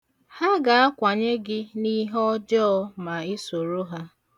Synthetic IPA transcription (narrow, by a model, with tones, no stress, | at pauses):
ha˦ɡa˨a˦kʷa˨ɲe˦ɡɪ˦ni˦ɦɔ˦d͡ʒɔ˦ɔ˦ma˨ɪ˦so˨ɾo˦ɦa˦